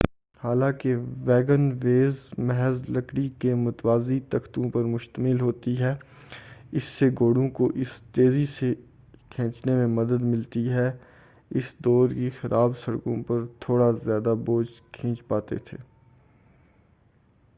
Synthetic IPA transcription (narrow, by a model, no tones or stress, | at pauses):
haːlãːkeʋɛːɡənʋeːzmɛɦɛzlɐkɽikemʊt̪waːzit̪ɐxt̪õpɐɾmʊʃt̪əmɪlɦoːt̪iɦɛː | ɪsːeɡoːɽõkoʔɪst̪eːzise | kʰɛ̃ːt͡ʃnemẽmɐd̪əd̪mɪlt̪iɦɛ | ɪsd̪ɔːɾkixɐɾʔaːbsɐɽkõpɐɾt̪ʰoːɽazjaːd̪aboːd͡ʒkʰĩːt͡ʃpaːt̪ḛt̪ʰḛː